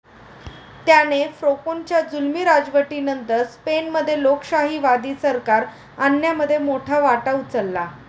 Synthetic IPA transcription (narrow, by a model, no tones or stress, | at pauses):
t̪janefɾokont͡ɕjad͡zulmiɾad͡zʋəʈinənt̪əɾspenməd̪ʱːjelokɕaɦiːʋad̪iːsəɾkaɾ | anjaməd̪ʱːjemoʈʰaʋaʈaut͡səlːa